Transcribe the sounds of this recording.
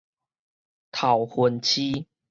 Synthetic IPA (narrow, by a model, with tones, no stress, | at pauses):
t̪ʰa˨ʊhwə˨˦nt͡ɕʰi˦